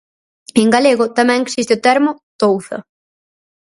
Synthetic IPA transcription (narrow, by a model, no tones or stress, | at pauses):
eŋɡaleɣʊt̪amɛ̃ŋeksist̪ɪʊt̪ɛɾmʊt̪owθɐ̰